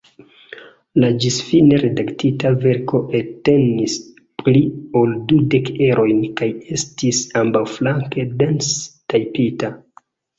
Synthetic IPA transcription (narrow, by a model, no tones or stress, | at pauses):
lad͡ʒisfine̞ɾe̞daktitave̞ɾko̞ʔete̞nis | plio̞ldude̞ke̞ɾʔo̞jnkaje̞stisambawflaŋke̞de̞nstajpita